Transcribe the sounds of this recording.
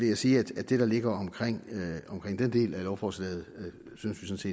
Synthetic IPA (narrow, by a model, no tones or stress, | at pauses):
ʋe̝jasiːæd̥æ̥d̥e̝ɾ̥ɑ̈le̝ɡ̥ɐɒ̽mkʰʁeŋ̰ɒ̽mkʰʁeŋ̰d̥end̥e̝̰ːlælɒʊfɒːslḛːð̩ˠ | synsʋisɔ̽nse̝̰ːd̥